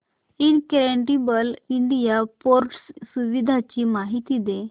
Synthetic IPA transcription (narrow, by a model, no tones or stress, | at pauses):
inkɾeɳʈibəliɳɖijapoɾʈssuʋid̪ʱat͡ɕiːmaɦit̪id̪e